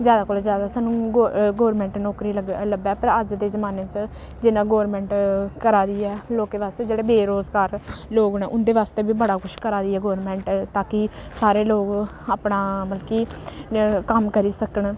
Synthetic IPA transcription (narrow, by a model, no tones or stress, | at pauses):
zjaːd̪aːkoːlozjaːd̪aːsaːnũːɡɡoːɾmɛ̃ːɳʈnɔːkɾiːəɡləɡɛːpəɾəd͡ʒd̪eːzəmaːnẽːt͡ʃ | d͡ʒɪnãːɡoːɾmɛ̃ːɳʈkəɾaːd̪iːɛːloːkeːʋaːst̪eːd͡ʒeːɽeːbeːɾoːzkaːɾloːɡnẽːʔʊnd̪eːʋaːst̪eːbiːbəɽaːkʰʊʃkəɾaːd̪iːɛːɡoːɾmɛ̃ːɳʈt̪aːkisaːɾeːloːɡ | aːpɳaːməlkiː | kəmkəɾiːsəkəɳ